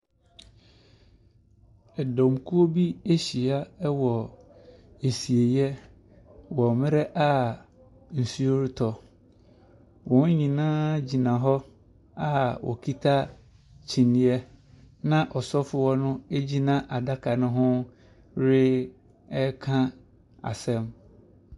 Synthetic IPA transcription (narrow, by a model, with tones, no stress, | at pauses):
ɛ˨dɔ̃˨m˨kʰu˦o˦bi˦e˦ɕi˨a˦ɛ˦wɔ˨ | e˨si˨e˨jɛ˦ | wɔ˨mɪ̃˦ɾɛ˦ʔa˦ | n̩˨su˦o˦ɾɪ˦tʰɔ˨ | wɔ̃˨˦ɲĩ˨nãː˦d͡ʑi˨nã˨ɦɔ˦ | a˦wɔ̰˨kʰi˦tʰa˦ | t͡ɕʰĩ˨nĩ˦ɛ˦ | nã˦ʔɔ˨sɔ˦fʊ˨wɔ˦nʊ̃˦e˦d͡ʑi˦nã˦ʔa˨da˦kʰa˨nʊ̃˦ɦʊ̃˦ | ɾɪ˦ | ɛ˦kʰã˦ | a̰˨sɛ̃˦m